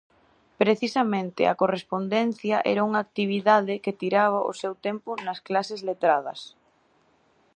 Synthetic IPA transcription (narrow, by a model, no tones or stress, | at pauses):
pɾeθisɐmẽnt̪ɪ̰ɐ̰korespond̪ɛn̟θjɐʔɛ̰ɾɐuŋaːk̚t̪iβ̞iðaðɪket̪iɾaβ̞ɐʔʊ̰sewt̪ɛmpʊnɐsklasɪzlet̪ɾað̞ɐ̰s